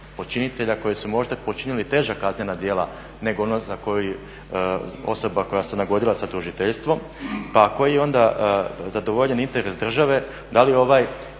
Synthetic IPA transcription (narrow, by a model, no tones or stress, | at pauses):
od̪̚t͡ʃinit̪e̞ʎako̞jesumo̞ʒd̪apot͡ʃinilit̪e̞ːʒakazne̞nad̪je̞ːla | ne̞ɡoonozako̞juj | o̞̰so̞bako̞jasenaɡo̞d̪ilˠasat̪uʒit̪eʎst̪ʋo̞m | pako̞jijeo̞nd̪azad̪o̞ʋo̞ʎenint̪e̞ɾe̞sd̪r̩ʒaʋe̞ | d̪alio̞ʋaj